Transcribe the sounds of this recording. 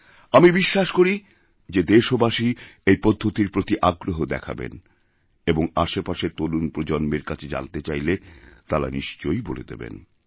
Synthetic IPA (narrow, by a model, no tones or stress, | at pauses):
amibiʃːaʃkoɾi | d͡ʑed̪eʃobaʃiejpɔd̪ʱːot̪iɾpɾot̪iʔaɡɾoɦod̪ɛ̰kʰa̰bḛn | eboŋaʃepaʃet̪olunpɾod͡ʑonmeɾkat͡ɕʰed͡ʑa̰nt̪et͡ɕajlet̪aɾa̰niʃt͡ɕojbolḛd̪ḛbḛn